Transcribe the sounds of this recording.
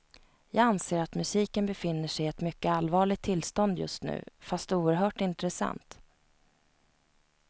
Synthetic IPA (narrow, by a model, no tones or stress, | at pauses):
jɑːɡanseːɾat̪mɵsiːkənbɛfɪnːəʂɛjɛt̪mʏkːəalvɑːɭɪt̪ʰːɪlːst̪ɔnd̪jɵ̰st̪nʉ̟̰ːfast̪uːəɾɦœːʈɪnt̪ɾɛsa̰nt̪